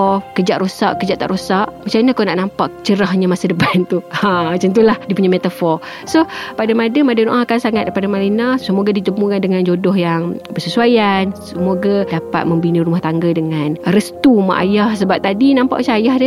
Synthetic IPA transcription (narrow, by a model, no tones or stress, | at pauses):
kəd͡ʒaʔɾosa̰ʔkəd͡ʒaʔt̪a̰ʔɾosaʔmat͡ʃamnakanaʔnampaʔt͡ʃəɾaɦɲamasədəpant̪uamat͡ʃant̪̬ulahdipuɲamet̪afɔ | sopadamadəmadanoʔaɦakansaŋat̪̚padamalinasəmoɡadit̪əmukandəŋand͡ʒodɔhjaŋbərsəsuajansəmoɡadapa̰t̪̚məmbiniɾumaht̪aŋɡadəŋanrəst̪uma̰ʔa̰jahsəbap̚t̪adinãmpa̰ʔt͡ʃaajahdə